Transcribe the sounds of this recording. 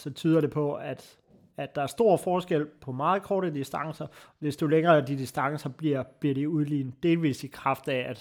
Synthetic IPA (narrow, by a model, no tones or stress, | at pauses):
sɒ̽t͡sʰyːð̞ˠɐɾe̝pʰɒ̽æd̥ | æ̥ɑ̈æɐsd̥o̝ɐ̰fɒːsɡ̥el̰pʰɒ̽mɑ̈ːð̩ˠkʰɒːɾədisd̥ɑ̈ŋ̰sɐd̥e̝sd̥o̝leŋɐːd̥id̥isd̥ɑ̈ŋəsɐb̥liɐ̰b̥liɐ̰ɾ̥euð̞ˠlḭːn̩d̥e̝ːlʋḭːsikʰʁɑ̈fd̥ææd̥